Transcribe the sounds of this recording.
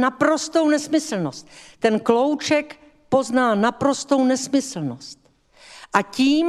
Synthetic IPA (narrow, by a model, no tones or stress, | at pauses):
napɾo̞st̪o̞wnɛsmɪsl̩nost̪t̪ɛnklo̞wt͡ʃɛk | po̞znaːnapɾo̞st̪o̞wnɛsmɪsl̩nost̪ | ʔaciːm